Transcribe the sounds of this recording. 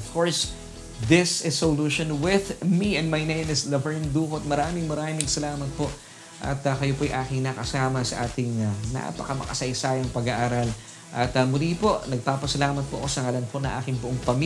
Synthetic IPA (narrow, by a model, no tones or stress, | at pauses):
v̥koɹs | ðɪsɪsoluʃõnwɪðmiɛ̃nd̪mɐjnejmɪslɐvɛɹnd̪uːkot̪̚mɐɾaːmɪŋmɐɾaːmɪŋsɐlaːmɐt̪̚po̞ʔ | ʔɐ̰t̪ɐkɐjopojʔaːkɪŋnɐkɐsaːmɐsɐʔaːt̪ɪŋɐna̰pɐkɐmɐ̰kɐsɐjsaːjɐŋpɐɡaʔaːɾɐl | ʔɐt̪ɐmʊlipo̞ʔnɐɡ̚paːpɐsɐlaːmɐt̪̚po̰ʔosɐŋalɐnpo̞nɐŋʔa̰ːkɪŋbʊʔoŋpɐmi